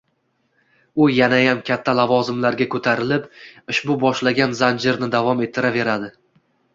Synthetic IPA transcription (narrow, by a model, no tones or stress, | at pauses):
ʊjanajamkʲʰat̪ʰːalavɒzɪmlaɾɡʲakʰɵt̪ʰaɾɪlɪpɪʃbʊbɒʃlaɡʲanzand͡ʒɪɾnɪd̪avɒme̞t̪ʰːɪɾave̞ɾad̪ɪ